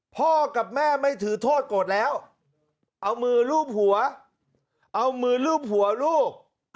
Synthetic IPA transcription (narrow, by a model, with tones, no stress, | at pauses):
pʰɔː˧˩ka˨˩p̚mɛː˥˩ma˥˩jt̪ʰɯː˨˦t̪ʰoː˥˩t̪̚koː˨˩t̪̚lɛː˦˥w | ʔa˧wmɯː˧luː˥˩p̚hu˩˦ɐ | ʔa˧wmɯː˧luː˥˩p̚hu˨˩˦ɐluː˥˩k̚